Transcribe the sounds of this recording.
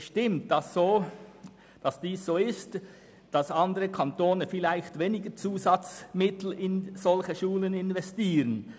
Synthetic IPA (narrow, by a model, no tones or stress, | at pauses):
ʃtɪmt̚d̥ɑssoː | d̥ɑsd̥iːsz̥oːɪst | d̥ɑsɑndəʁəkʰantoːnəfɪlæɪçtveːnɪɡət͡suːzɑt͡smɪtl̩ɪnzɔlçəʃuːlənɪnvɛstiːʁən